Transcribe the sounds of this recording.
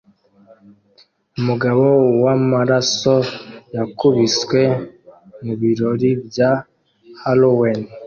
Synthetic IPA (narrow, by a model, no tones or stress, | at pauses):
umuɡaβowamaɾasojakuβiswe̞ | muβiɾo̞ɾibja | halowen